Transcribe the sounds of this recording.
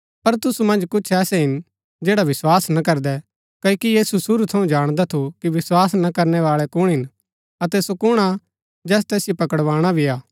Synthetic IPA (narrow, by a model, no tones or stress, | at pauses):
pɐɾt̪ʊsumɐ̃nd͡ʒkʊt͡ʃʰɛːsɛɦɪn | d͡ʒɛːɽaʋɪswaːsnɐkɐɾd̪ɛ | kɐkijiːsusʊɾut̪ʰɐũd͡ʒaːɽ̃d̪at̪ʰukiʋɪswaːsnɐkɐɾnɛʋaːɭɛkʊɽ̃ɦɪn | ɐt̪ɛsokʊɽ̃a | d͡ʒɛːs̬t̪ɛːsɪjopɐkəɽʋaːɽ̃abʱiaː